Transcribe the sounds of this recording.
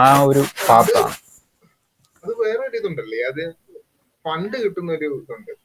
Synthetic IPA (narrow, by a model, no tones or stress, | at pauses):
aːoɾupaːpːa̰ː | ɐðɨʋeːreoɾiðuɳɖɐlːiɐðɨ | fɐɳɖɨkiʈːunːɐoɾuðuɳɖɨ